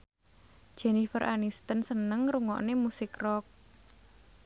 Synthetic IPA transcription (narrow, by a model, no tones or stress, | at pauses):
ʒ̥ɛ̤nifəɾʔanist̪ənsənəŋruŋɔ̰ʔnemusɪkrɔk̚